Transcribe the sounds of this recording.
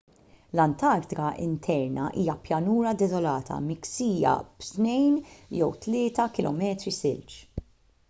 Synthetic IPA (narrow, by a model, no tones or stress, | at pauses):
lɐnt̪ɐɾt̪ɪkɐʔɪ̰nt̪ʰɛɾnɐʔiːjɐpjɐnuːɾɐd̪ɛzɔlɐːt̪ʰɐ̰mɪksiːjɐ̰b̥t̪nɛjnjɛwt̪lɪːt̪ɐkɪlʔɔ̰mɛːt̪ɾisɪlt͡ʃ